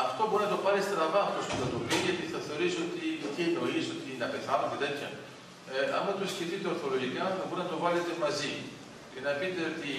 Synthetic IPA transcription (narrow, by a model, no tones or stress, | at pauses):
ɐft̪o̞boɾinɐt̪o̞pɐɾist̪ɾɐvɐpospud̪ɐt̪oviʝɐt̪iθɐθe̞o̞ɾisio̞t̪it̪ieno̞iso̞t̪iinɐpe̞θɐnomet̪et̪çɐ̰ | ɐ̰mɐt̪o̞sceθit̪eoɾθo̞loʝikɐboɾinɐt̪o̞vɐle̞t̪e̞mɐzi | cenɐpit̪e̞ot̪i